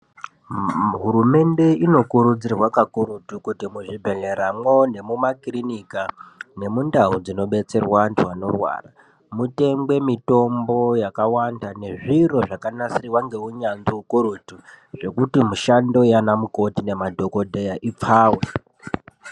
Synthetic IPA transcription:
ɦuɾume̞nde̞ino̞kuɾud͡zirwakakoɾutukutimuʐibʱeleɾamwo̞ne̞mumakrinikane̞mundaud͡zino̞ɓe̞t͡se̞rwantuwano̞̰rwa̰ːra̰ | mute̞ŋbwe̞mito̞mbo̞jakawandane̞ʐiro̞ʐakanasiriwaŋɡe̞uɲanziukoɾutu | ʐe̞kutimuʃando̞janamuko̞tine̞madʱo̞ko̞dʱejaʔip͡faːwe

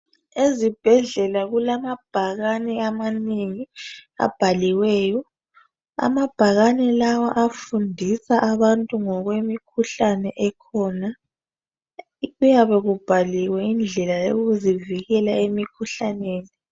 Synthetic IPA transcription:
ezib̥ʱɛɮɛlaɣulamab̥ʱaɣanɛamaneŋia̰b̥ʱaliwɛːjɔ | a̰mab̥ʱaɣanɛlawaʔafundʱisaʔaβantʼuŋɔɣwemikʰuɬanɛʔɛkʰɔːna | ɣujaβɛɣub̥ʱaliwɛind͡ɮʱɛlajoɣuziviɣɛlaemikʰuɬaneːni

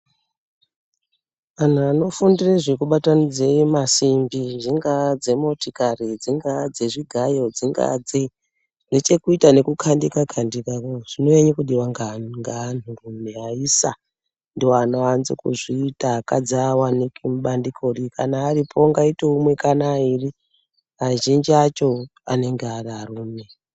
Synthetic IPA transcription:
an̤uano̞fundireʐikuɓatanid͡zemasimbiʐiŋɡad͡ze̞motikarid͡ziŋɡad͡ze̞ʐiɡʱajo̞d͡ziŋɡa̰d͡ze | ndet͡ʃe̞kuitane̞kukʰandikakʰandikakoʐ̥inoeɲekuɗiwaŋɡaŋɡaːnurumeaisa | ndioanoanzikuʐiːtakad͡zaːwanikimuɓandikʰo̞rikanaːripʰo̞ŋɡaiteumwe̞kanairi | aʒind͡ʒiat͡ʃo̞a̰ne̞ŋɡeararuːme

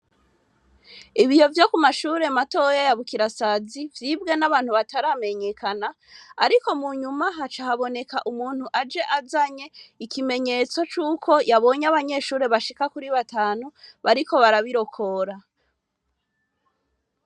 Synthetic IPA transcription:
iβijo̞vjo̞kumaʃuːɾe̞mato̞jajaβukiɾasazivjibɡe̞naβaːn̥huβataɾame̞ɲe̞kʰanaː | ɾiko̞muɲumaɦat͡ʃahaβo̞ne̞kaʔumuːn̥huʔad͡ʒe̞ʔazaɲe̞ikime̞ɲe̞t͡so̞t͡ʃuːkʰo̞jaβo̞ɲaβaɲe̞ʃuːɾe̞βaʃikakuɾiβataːnuβaɾiko̞βaɾaβiɾo̞kʰo̞ɾa

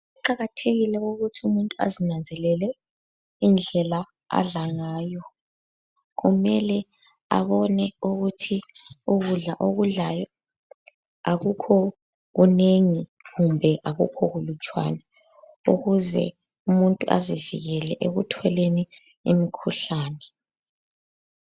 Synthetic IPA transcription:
uǃaɣatʰeɣilɛɣoɣutʰiumuntʼua̰zinand͡zʱɛlɛlɛ | ind͡ɮʱɛla | a̰ɮaŋaːjɔ | ɣumɛlɛ | a̰βɔnɛuɣutʰiuɣuɮaʔoɣuɮajɔ | aɣukʰɔ | ɣuneŋiɣumbʱɛʔaɣṵkʰɔɣulut͡ʃʼwa̰na | ṵɣuzɛ̰ | umuntʼuʔa̰zivḭɣɛlɛʔeɣutʰɔleni | ḭmikʰuɬaːnɛ

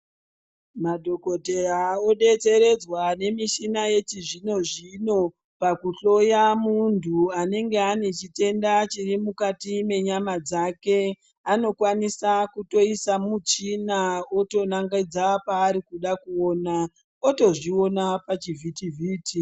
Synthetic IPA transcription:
madʱo̞ko̞te̞rao̞ɗe̞t͡se̞ɾe̞d͡zwane̞miʃinaje̞t͡ʃiʐino̞ʐino̞ | pakuɬo̞jamuntʰuane̞ŋɡe̞anet͡ʃite̞ndat͡ʃirimukatime̞ɲamad͡zake̞ | ano̞kwanisakuto̞isamut͡ʃinaoto̞naŋɡaid͡zapaːɾikuɗakuoːna | oto̞ʐio̞napat͡ʃivʱitivʱiːtʰi

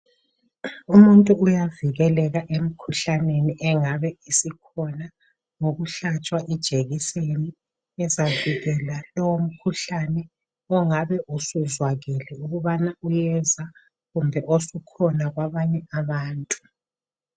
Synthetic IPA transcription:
umuntʼuujaviɣɛlɛɣaʔem̩kʰuɬaneniʔɛŋaβɛisikʰɔna | ŋoɣuɬat͡ʃʼwaʔɛd̥ʒ̥ʱeɣiseni | ɛzaviɣɛlalɔwom̩kʰuɬanɛ | ɔŋaβɛʔusuzwaɣɛlɛuɣuβanaujɛza | ɣumbʱɛʔosukʰɔnaɣwaβaɲɛaβaːntʼu̥

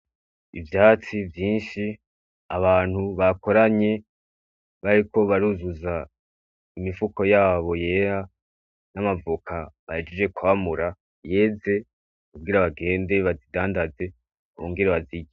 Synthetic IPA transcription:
ḭvjaːt͡sivjiːnʃi | aβaːn̥huβako̞ɾaɲe̞ | βaɾiko̞βaɾuzuza | imifuko̞jaːβo̞je̞ːɾa | namavukʰaβaed͡ʒid͡ʒe̞kwaːmuɾa | je̞ːze̞ | kub̚ɡiːɾaβaɡe̞ːnde̞βazidaːndaze̞ | βoːŋɡiɾaβaziɟe

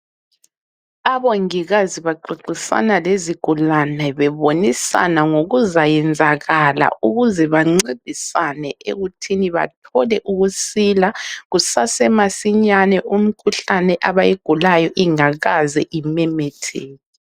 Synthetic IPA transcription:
aβoŋiɣaziβaǃiǃisa̰naleziɡ̥ʱulanɛβɛβonisa̰naŋoɣuzajɛnd͡zʱaɣala̰ʔuɣuzɛβaŋ͡ǀid̥ʱisanɛʔḛɣutʰiniβa̰tʰɔlɛʔuɣusilaɣusasɛmasiɲanɛʔum̩kʰuɬanɛʔaβajeɡ̥ʱulajɔʔiŋaɣazɛʔimɛmɛtʰeːli

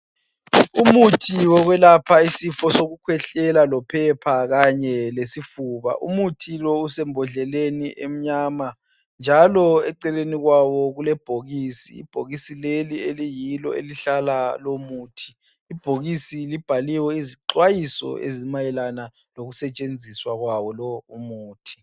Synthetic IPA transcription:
umutʰiwɔɣwɛlapʰaisifɔsoɣukʰwɛɬɛlalɔpʰɛpʰaɣaɲɛlesifuːβa̰ʔṵmutʰilɔusɛmbʱɔɮɛleniʔem̩ɲaːma | nd͡ʒʱalɔɛǀɛleniɣwawɔɣulɛb̥ʱoɣiːsḭːb̥ʱoɣisilelielijilɔ̰ḛliɬalalomuːtʰi̥ː | b̥ʱoɣisilib̥ʱaliwɛiziǃwajisɔ̰ḛzimajɛlana | loɣusɛt͡ʃʼend͡zʱiswaɣwawɔlɔumuːtʰi̥

